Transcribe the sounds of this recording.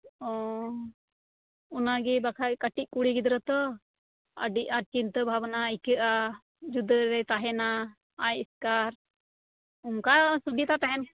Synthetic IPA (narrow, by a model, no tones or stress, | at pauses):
ɔ | ɔnaɡibakʰakəʈiʔ̚ˀkuɽiɡid̪ɾət̪ɔ | ə̰ɖiaɾ̚t͡ʃint̪əbʱabnaəjkəʔa | d͡ʒud̪əɾɛt̪aɦɛnaː | jiskaɾ | umkasubit̪at̪aɦɛn